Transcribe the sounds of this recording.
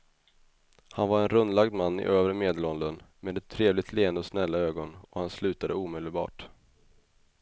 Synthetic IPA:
hanvaɾɛnɾɵnːlaɡd̪manːɪ̰ʔøːvɾəmeːd̪əlɔnd̪ənmeːd̪ɛt̪ʰːɾeːvlɪɡt̪ʰleːənd̪əɔsnɛlːaøːɡɔnɔhanslʉ̟ːt̪ad̪əuːmeːd̪əlbɑ̰ːʈ

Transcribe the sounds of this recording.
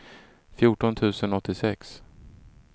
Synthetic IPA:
fjuːʈɔnt̪ʰʉ̟ːsənɔt̪ːɪsɛks

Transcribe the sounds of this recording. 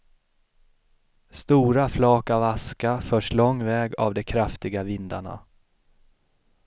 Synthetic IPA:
st̪uːɾaflɑːkavaskafœːʂlɔŋːvɛːɡa̰vd̪ɛkʰɾaft̪ɪɡavɪnd̪aɳa̰

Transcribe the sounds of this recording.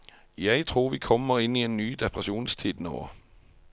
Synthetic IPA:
jæɪt̪ʰʁuːʁʋiːkʰɔmːəʁɪniːeːnnyːd̪ɛpʰʁɛʃuːnst̪ʰiːd̪no̰ː

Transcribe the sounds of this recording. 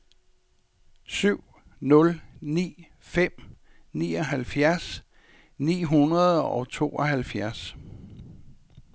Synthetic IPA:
syʊ̰ | nɔ̽lnḭː | fem̰ | nḭːɒ̽ɦælfjæɐs | nḭːɦunʁɐð̞ˠɒ̽ʊt͡sʰo̝̰ːɒɦælfjæɐs

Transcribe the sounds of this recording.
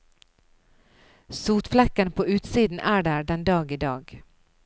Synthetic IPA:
suːt̪flɛkənpʰoːʉːt̪siːd̪n̩ʔæːɖæːɖɛnd̪ɑːɡiːd̪ɑːɡ

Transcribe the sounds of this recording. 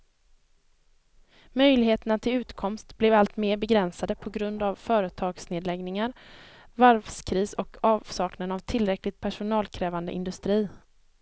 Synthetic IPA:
mœjlɪɡheːt̪ənat̪ʰɪlʉ̟ːt̪kʰɔmst̪blɛvalt̪meːɾbɛɡɾɛnsad̪əpʰɔɡɾɵnd̪avfœːɾət̪ʰɑːɡsneːd̪lɛɡnɪŋaɾ | vaɾvskʰɾiːsɔkʰɑːvsɑːknənavt̪ʰɪlɾɛklɪt̪̚pʰæʂʊnɑːlkʰɾɛːvand̪ə̰ʔɪ̰nd̪ɵst̪ɾiː

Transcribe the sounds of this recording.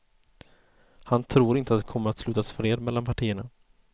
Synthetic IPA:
hant̪ʰɾuːɾɪnt̪əat̪d̪ɛkʰɔmːəɾat̪slʉ̟ːt̪asfɾeːd̪mɛlːanpʰaʈʰiːəɳa

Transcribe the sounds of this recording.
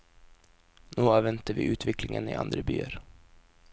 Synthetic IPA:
noːaːvɛnt̪əvɪʔʉ̟ːt̪vɛklɪŋənɪ̰ʔa̰nd̪ɾəby̰ːəɾ

